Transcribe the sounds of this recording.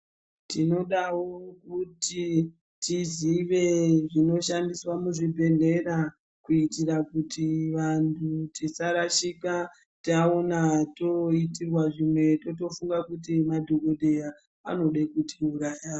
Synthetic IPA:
tino̞ɗawo̞kuti | tiziʋeʐino̞ʃandiswamuʐibʱe̞ɮe̞ra | kuitirakutʰiʋantʰutisaɾaʃika | taonato̞itirwaʐimwe̞to̞t̬o̞fuŋɡakutimadʱoko̞dʱeja | a̰no̞ɗekutʰiuɾaːja

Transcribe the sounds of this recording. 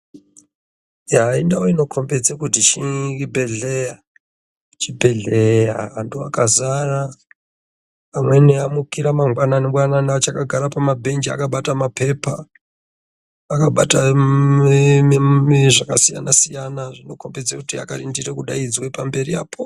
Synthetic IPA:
jaindaoino̞kʰo̞mbe̞d͡zekutit͡ʃiibʱe̞ɮe̞ja | t͡ʃibʱe̞ɮeja̰nduakazara | pamwe̞neamukiɾamaŋɡwananeɡwananat͡ʃakaɡʱaɾapamabʱe̞nd͡ʒia̰kaɓatamape̞pʰa | kaɓata | ʐakasija̰nasijanaʐino̞ko̞mbe̞d͡zekutia̰karindirekuɗaid͡zwe̞pambe̞riaːpʰo

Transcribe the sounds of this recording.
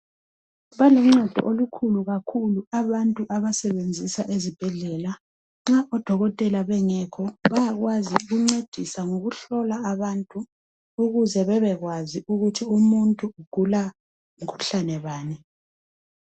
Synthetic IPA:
βalɔm̩ɔd̥ʱɔ̰ʔolukʰuluɣakʰuluaβantʼuʔaβasɛβend͡zʱisaʔezib̥ʱɛɮɛːla | ŋ͡ǁaʔɔd̥ʱɔɣɔtʼɛlaβɛŋɛkʰɔβajaɣwaziuɣuŋ͡ǀed̥ʱisaŋoɣuɬɔlaaβantʼuː | ɣuzɛβɛβɛɣwaziuɣutʰiumuntʼuuɡ̥ʱula | umkʰu̥ɬanɛβaːnɛ

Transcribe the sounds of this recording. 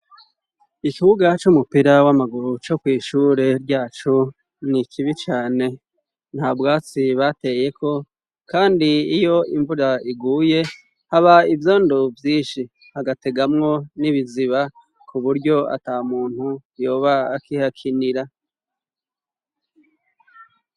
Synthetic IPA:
ikiβuɡat͡ʃumupiɾawamaɡuɾut͡ʃo̞kwiːʃuːɾe̞ɾɟaːt͡ʃu | nikʰiβit͡ʃaːne̞ | n̥haːbɡaːt͡siβate̞je̞kʰo̞ | kaːndiːjo̞iɱvuɾaiɡuːje̞ | haβaivjo̞ːndovjiːnʃi | haɡate̞ɡamŋo̞niβiziβa | kʰuβuɾɟo̞a̰tamuːn̥hujo̞ːβaːkihakʰiniɾa

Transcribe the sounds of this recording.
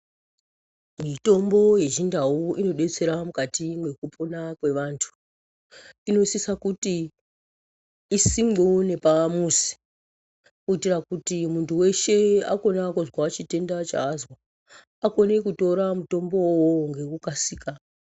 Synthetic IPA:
mito̞mbo̞je̞ʒindawuino̞ɗe̞t͡se̞ɾamukatimwe̞kupʰonakwe̞ʋaːntʰu̥ | ino̞sisakuti | simone̞paamusi̥ | kuitirakutimuntuwe̞ʃe̞a̰ko̞nakuzwaːt͡ʃite̞ndat͡ʃa̰ːzwa | ako̞ne̞kuto̞ɾamuto̞mbo̞woŋɡe̞kukasiːka

